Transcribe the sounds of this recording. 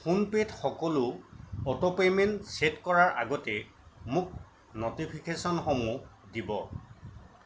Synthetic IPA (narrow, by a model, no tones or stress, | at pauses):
pʰunpetxɔkɔlʊɔtɔpementsetkɔɹaɹʔa̰ɡɔtɛ | mʊk̚ | notipʰikesɔnxɔmudibɔ